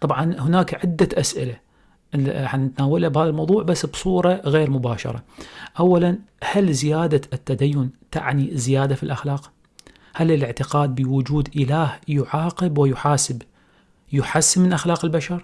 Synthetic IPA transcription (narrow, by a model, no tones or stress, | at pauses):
t̪ˤɑbʕɑnhʊnaːkʕɪd̪ːaʔasʔɪla | ħanːɪt̪naːwalabhaːðalmɑwðˤuːʕbasːbsˤuːɾˤɑɣeːɾmʊbaːʃɑ̰ɾˤɑ̰ʔawːalanhalzɪjaːd̪at̪ːad̪ajːʊnt̪a̰ʕnizːɪjaːd̪afilʔaxlaːq | halɪlʔɪʕt̪ɪqaːd̪̚bɪwʊd͡ʒuːd̪ʔɪlaːhjʊʕaːqɨbwɪjʊħaːsɪb | jʊħasːɪmɪnʔaxlaːqɪlbaʃɑɾˤ